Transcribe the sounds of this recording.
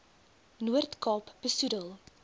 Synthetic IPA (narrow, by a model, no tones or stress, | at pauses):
nuərtkɑːpb̥əsudəlˠ